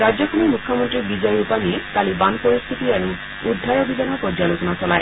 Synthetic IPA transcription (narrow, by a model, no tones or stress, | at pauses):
ɹad͡ʒjɔkʰɔmimukʰjɔmɔntɹibizɔjupanikalibanpɔɹist̪ʰit̪iaɹuː | d̪ʱːajɔbidʱanɔpɔd͡ʒalukɔnasɔlaj